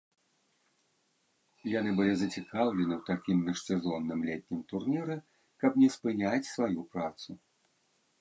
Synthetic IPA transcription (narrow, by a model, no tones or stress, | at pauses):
janɨbɨlʲizɐt͡sʲikawlʲɛnɨwt̪akʲimnɐʂsʲɛzɔnːɨmlʲɛt̪̚ʲnʲimt̪urnʲiɾɨ | kɐpnʲɛspɨnʲat͡sʲsvajupɾat̪su